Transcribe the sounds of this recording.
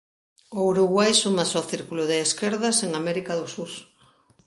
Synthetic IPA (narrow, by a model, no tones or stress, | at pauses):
owɾuɣwajsumasɔθiɾkulʊðeːskeɾðaseŋamɛɾikaðʊsuɾ